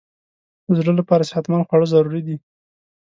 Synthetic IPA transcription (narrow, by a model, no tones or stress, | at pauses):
d̪əzɽəlapɑɾasɪ̥hat̪mɑnxwaɽəzaɾuɾid̪i